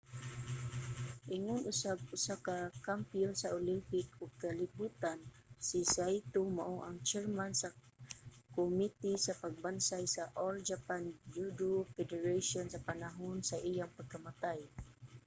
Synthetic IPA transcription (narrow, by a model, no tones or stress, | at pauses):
ʔiŋʊnʔʊsaɡ̚ʊsakakampionsaolimpɪkʊɡ̚kalibut̪ansisajt̪omaʔoʔaŋt͡ʃɛɹmansa | komit̪isapaɡ̚bansajsaʔold͡ʒapanjudufɛdɛɹaʃɔnsapanaɦʊnsaʔijaŋpaɡ̚kamat̪aj